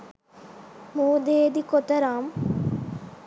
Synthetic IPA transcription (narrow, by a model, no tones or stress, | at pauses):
muːd̪eːd̪ikot̪ɐɾaːm